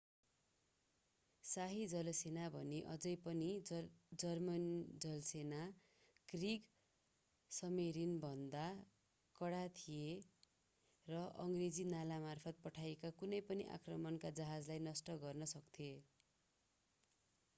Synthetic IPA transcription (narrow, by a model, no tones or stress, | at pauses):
saɦid͡zʌlsenabʱʌneʔʌ̰d͡zʌjpʌnid͡zʌrmʌnd͡zʌlsena | kriɡ | sʌmeɾinbʱʌnd̪a | kʌɽat̪ʰije | rʌʔʌŋɡred͡zinalamarpʰʌt̪̚pʌʈʰajekakunʌjpʌniʔa̰krʌmʌnkad͡zʌɦad͡zlajnʌsʈʌɡʌrnʌsʌk̚t̪ʰie